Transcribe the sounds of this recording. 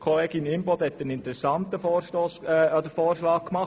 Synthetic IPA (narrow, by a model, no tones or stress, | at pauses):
kʰoleːɡɪnɪmbɔd̪hɛt̪ːənɪnt̪əɾɛsɑnt̪əfɔːɾʃtoːsod̪əfɔːɾʃlɑːkkːmɑχ